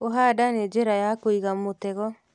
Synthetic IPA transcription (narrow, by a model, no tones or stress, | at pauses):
oɦadaned͡ʒeɾajakoiɣamotɛɣɔ